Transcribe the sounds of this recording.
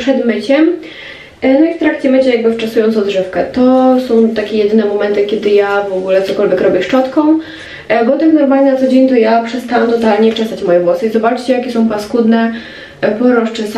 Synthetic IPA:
pʂɛd̪mɘt͡ɕɛm | nɔift̪ɾakt͡ɕɛmɘt͡ɕɛjaɡ̚bɘft͡ʂasujɔnt̪ɔ̃wd̪ʐɛfkɛt̪ɔsɔ̃w̃t̪akʲɛjɛd̪ɘnɛmɔmɛnt̪ɘkʲɛd̪ɘjavɔɡulɛt̪sɔkɔlvʲjɛkɾɔbʲjɛʂt͡ʂɔt̪kɔ̃w̃ | bɔt̪ɨxnɔɾmalnat̪sɔd͡ʑeɲt̪ɔjapʂɛst̪awamt̪ɔt̪alɲɛt͡ʂɛsat͡ɕmɔjɛvwɔsɨizɔbat͡ʂt͡ɕɛjakʲɛsɔ̃w̃paskud̪nɛ | pɔɾɔʂt͡ʂɛs

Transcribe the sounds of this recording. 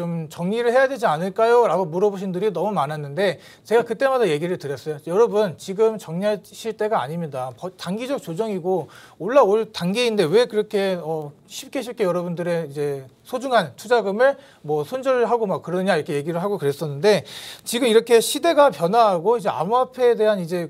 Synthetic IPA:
omt͡ɕʌŋɲiɾɯɭhe̞jade̞d͡ʑianɯɭk͈ajoɾaɡomuɾʌboɕ̬ʰindɯɾinʌmumanɦanːɯnde̞ | t͡ɕe̞ɡakɯt͈e̞madaje̞ɡiɾɯɭtɯɾjʌs͈ʌjojʌɾʌbunt͡ɕiɡɯmt͡ɕʌŋɲiaɕʰiɭt͈e̞ɡaːɲimɲidapʌtaŋɡid͡ʑʌk̚t͡ɕ͈od͡ʑʌŋiɡooɭːaoɭtaŋɡeinde̞we̞kɯɾʌkʰe̞ʌ | ɕʰip̚k͈eɕʰip̚k͈ejʌɾʌbundɯɾe̞id͡ʑe̞sʰod͡ʑuŋɦantʰud͡ʑaɡɯmɯɭ | mwʌsʰond͡ʑʌɾɯɭɦaɡomak͈ːɯɾʌnɯɲaiɾʌkʰe̞je̞ɡiɾɯɭɦaɡokɯɾe̞s͈ʌnːɯnde̞t͡ɕiɡɯmiɾʌkʰe̞ɕʰide̞ɡapjʌnaɦaɡoid͡ʑe̞a̰muapʰe̞ːde̞ɦanid͡ʑe̞

